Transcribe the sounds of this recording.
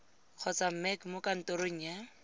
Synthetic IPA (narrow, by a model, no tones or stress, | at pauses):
q͡χʰɔt͡sam̩mɛkmokan̩toɾoŋ̩ːjɛ